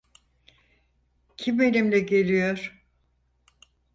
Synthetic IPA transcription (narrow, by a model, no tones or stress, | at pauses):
cʰimelʲimlʲɛɟe̞lʲijoɾ̥